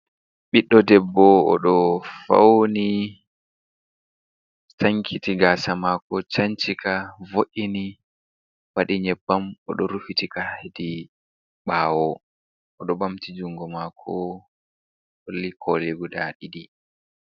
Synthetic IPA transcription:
ɓiɗːɔdɛbːɔɔ̰ɗɔfa̰wni | taŋkʰitiɡaːsamaːkɔt͡ʃaɲt͡ʃikavoʔini | waɗiɲɛbːamɔɗɔɾufitikaedi | ɓaːwɔ | ɔɗɔbamtid͡ʒuŋɡɔmakʰɔ | olːikʰɔleɡudaɗiɗi

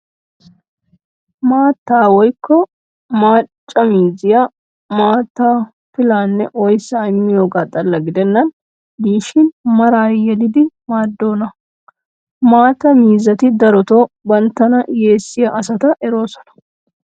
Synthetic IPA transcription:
maːt̪ːaːwɔjkʰːɔ | maːt͡ʃʼːɐmiːzɪjɐ | maːt̪ːaː | fɪlaːnːɛʔɔjsaːɪmːɪjoːɡaːt̪ʼɐlːɐɡɪd̪ɛnːɐn | d̪iːʃɪnmɐɾaːjɛlɪd̪ɪmaːd̪ːo̞ːnɐ | maːt̪ɐmiːzɐt̪ɪd̪ɐɾɔt̪oːbɐnt̪ːɐnɐje̞ːsːɪjɐʔɐsɐt̪ɐʔɛɾo̞ːsɔ̥nɐ̥

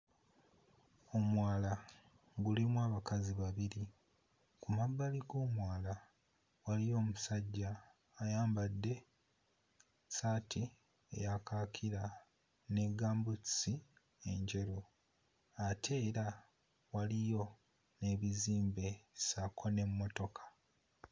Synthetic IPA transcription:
o̞mwaːla | ɡulimwaːβakaziβaβiɾi | kumabːaliɡo̞ːmwaːla | walijo̞ːmusaɟːaː | jaːmbadːe̞ | saːtʰi | ḛjakakʰiɾa | ne̞ɡaːmbusi | e̞ɲɟe̞ɾo | atʰe̞ːɾa | walijo̞ | ne̞ːβiziːmbe̞sakʰo̞ne̞mːo̞to̞kʰḁ

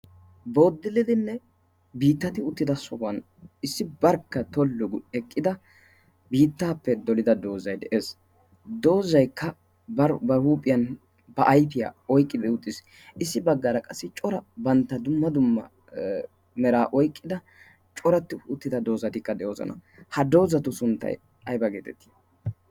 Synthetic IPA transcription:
bo̞ːd̪ːɪlːɪd̪ɪnːɛ | biːt̪ːɐt̪ɪʊt̪ːɪd̪ɐsɔhɐn | ɪsːɪbɐɾkːɐt̪ɔlːʊɡʊɛkʼːɪd̪ɐ | biːt̪ːaːpːɛd̪ɔlɪd̪ɐd̪o̞ːzɐjd̪ɛʔeːs | d̪o̞ːzɐjkʰːɐ | bɐɾbɐhuːpʼːɪjɐn | bɐʔɐjpɪja̰ːɔjkʼːɪd̪ɛʊt̪ʼːɪs | ɪsːɪbɐɡːɐɾɐkʼɐsːɪt͡ʃʼɔɾɐbɐnt̪ːɐd̪ʊmːɐd̪ʊmːɐ | mɛɾaːʔɔjkʼːɪd̪ɐ | t͡ʃʼɔɾɐt̪ːɪʊt̪ːɪd̪ɐd̪o̞ːzɐt̪ɪkːɐd̪ɛjoːzɔ̰nɐ̰hɐd̪o̞ːzɐt̪ʊsʊnt̪ːɐ̰j | ɐjbɐɡḛːt̪ɛt̪ːi̥

